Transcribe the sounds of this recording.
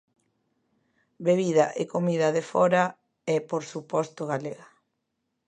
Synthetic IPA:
beβiðaʔḛkomiðɐðefɔɾa | ɛpoɾsupɔst̪oɣaleɣa

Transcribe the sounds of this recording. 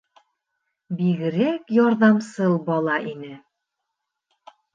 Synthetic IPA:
biɣɘ̆ɾækjɒɾðɑmsɤlˠbɑlˠɑʔinɘ

